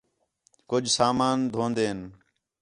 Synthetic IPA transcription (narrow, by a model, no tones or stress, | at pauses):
kʊd͡ʒʱsaːmaːnd̪ʱõːnd̪eːn